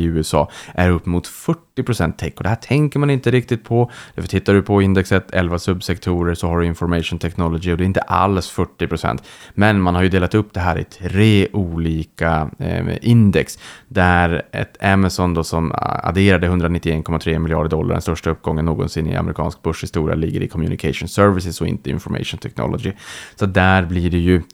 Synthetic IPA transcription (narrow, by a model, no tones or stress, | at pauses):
ɪʉ̟ːɛsɑ̰ːʔæɾɵpːmʊt̪fœʈːɪpʰɾʊsɛnt̪ʰːɛkːɔd̪ɛɦæːʈʰɛŋkəɾmanɪnt̪əɾɪk̚t̪ɪt̪̚pʰɔd̪̥æɾfœʈʰɪt̪ːaɖɵpʰɔɪnd̪ɛksət̪ʰɛ̰lvasɵbsɛkt̪ʰuːɾəɾsɔɦaɖɵɪnfɔɾmɛʂʊːnt̪ʰɛknɔlɔɡɪɔd̪ɛɾɪnt̪əʔa̰lsfœʈːɪpʰɾʊsɛ̰nt̪mɛnmanhaɾjɵd̪eːlat̪ɵpːd̪ɛɦæːɾɪ̰t̪ʰɾeːʔuːliːkaʔɪnd̪ɛksd̪æɾɛ̰t̪ʰɛmasɔnd̪osɔma̰d̪eːɾad̪əɦɵnd̪ɾanɪt̪ːɪeːnkʰɔmːat̪ʰɾeːmɪljɑ̰ːɖəɖɔlːaɾɖɛ̰st̪œʂʈaɵp̚ːɡɔŋːənːoːɡɔ̰nsɪnːɪ̰a̰mɛɾɪkʰɑ̰ːnsk̚bɵʂhɪst̪uːɾɪ̰a̰lɪɡːə̰ɾɪkʰɔmjʉ̰nɪkʰaʂʊnsœɾvɪsɪsɔɪ̰nt̪əɪ̰nfɔɾmɛ̰ʂʊnt̪ʰɛknɔ̰lɔɡɪsɔat̪̚d̪æɾbliɖɛjɵ